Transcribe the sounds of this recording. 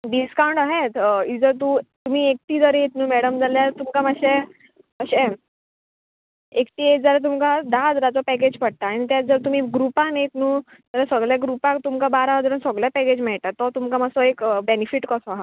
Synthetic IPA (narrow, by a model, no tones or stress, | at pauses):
ɖiskaw̃ɳʈaɦet̪id͡zəɾt̪̬ut̪um̤iːek̚ʈ̪iːd͡zəɾet̪nuːmɛɽəmd͡zaljaɾt̪umkamaɕe | əɕɛ̃ | ekʈ̪iːetd͡zaɾet̪̬umkad̪aɦd͡zɾat͡sɔpɛk̬ed͡ʑpəɽ̚t̪aːɽ̃it̪jãd͡zəɾt̪um̤iːɡɾupãnet̪nuː | t̪əɾãsəɡɭjaɡɾupãk̚t̪umkabaɾaəd͡zɾənsəɡɭjapɛked͡ʑmɛɭʈ̪at̪ːɔt̪umkamasɔekbenifiʈkɔsɔɦa